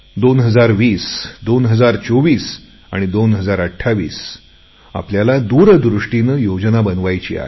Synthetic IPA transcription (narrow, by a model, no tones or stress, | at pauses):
d̪onɦəd͡zaɾʋiːsd̪onɦəd͡zaɾt͡soʋiːs | a̰ɽ̃id̪onɦəd͡zaɾəʈʰːaʋiːs | a̰pljalad̪uɾəd̪ɾuʂʈinəjod͡znabənʋajt͡ɕḭːa̰ɦe